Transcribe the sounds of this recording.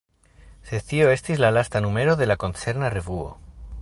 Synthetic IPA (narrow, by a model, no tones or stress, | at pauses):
seθio̞e̞st̪izlalast̪anume̞ɾo̞ðe̞lako̞nt͡se̞ɾnare̞vuo̰